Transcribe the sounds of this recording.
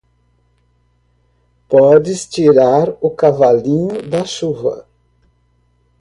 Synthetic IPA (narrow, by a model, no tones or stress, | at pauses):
pɔd͡ʒɪst͡ʃiɾaɾʊkavalĩɲʊd̪ɐʃuvɐ̰